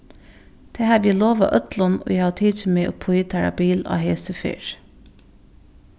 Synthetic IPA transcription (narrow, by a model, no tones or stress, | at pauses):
d̪̥ɛhæːbliːloːʋɑ̰ʔœt̪lɔno̰ːjæhɑːt̪ʰiːd̪əmeːʔo̰ːpʰʊɪt̪ʰæɾɑ̰biːlɑ̰ːheːsəfy̰ːɾ